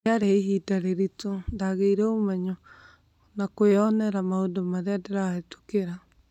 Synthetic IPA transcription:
aɾeɦidaɾeɾitondaɣeiɾɛomɛɲo | nakoeɔnɛɾamaodomaðeadeɾaetu̥keɾa

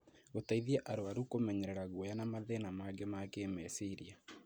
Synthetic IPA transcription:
otaiðiɛʔaɾoaɾukomɛɲɛɾɛɾaɣwɔjanamaðenamaɡemakemɛsiɾia

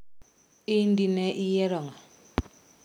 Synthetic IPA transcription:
indinɛʔijɛɾɔŋa

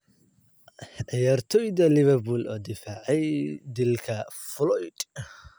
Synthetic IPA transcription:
ʕɪjaːrt̪ʰɔjd̪ɐlɪβɐrbulʔɔːd̪ɪfaːʕɛjd̪ɪlkʰɐflɔjd̪̥

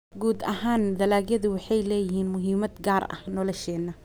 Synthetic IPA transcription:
ɡuːd̪ɐhaːnd̪ɐlaːɡjɐðʊwɑħɑjlɛːjɪɦiːnmʊɦiːmɐd̪ɡaːrɐ̰hnɔlɔʃɛːnːɐ

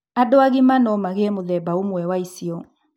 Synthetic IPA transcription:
adoaɣimanɔmaɣeɛmoðɛbaomwɛwaisiɔ

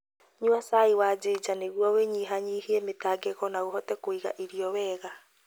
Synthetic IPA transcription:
ɲuasaiwad͡ʑed͡ʒaneɣwɔweɲiɦaɲihiɛmetaɡɛɣɔnaoɦɔtɛkoiɣa̰ʔiɾiɔwɛːɣa

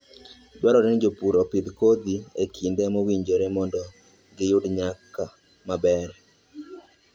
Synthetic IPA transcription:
d͡ʒwaɾɔɾend͡ʒopuɾɔpid̪kod̪iekʰindemɔwiɲd͡ʒoɾemɔndɔ | ɡɪjʊdɲaka | mabɛɾɛ

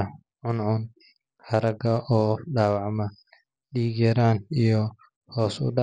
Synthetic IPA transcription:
ʕʊnʕʊn | hɐɾɐɡɐʔɔːɖaːwɑʕmɐ | ɗiːɡɛɾaːnijɔ | hɔːsʊ̰ɖa

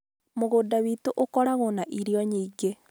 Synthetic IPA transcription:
moɣodawitoʔokɔɾaɣonaʔiɾiɔɲiːɡe

